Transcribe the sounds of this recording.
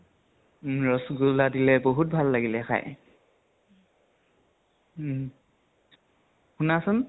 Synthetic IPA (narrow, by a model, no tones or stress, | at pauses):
ɹɔsɡuladilɛboɦut̚bʱalːaɡilɛxa̰j | xunasʊn